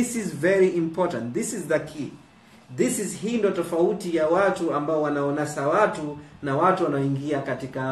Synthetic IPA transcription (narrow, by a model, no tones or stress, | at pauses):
isizvɛɹiʔimpɔtãntðisizðakʰi | ðisizhindɔtɔfautijawatuambaɔwanaɔnasawatunawatuwanaɔiŋɡiakatika